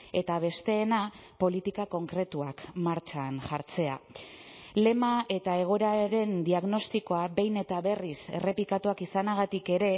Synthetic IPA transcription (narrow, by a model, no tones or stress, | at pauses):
e̞t̪aβ̞e̞st̪e̞ːnapo̞lit̪ikako̞ŋkɾe̞t̪uakmaɾt͡ʃanʝaɾt͡se̞a̰ | le̞maʔe̞t̪ae̞ɣ̞o̞ɾaɾe̞nd̪iaɣno̞st̪iko̞abe̞jne̞t̪aβe̞rise̞̰re̞pikat̪uakisanaɣat̪ike̞ɾe̞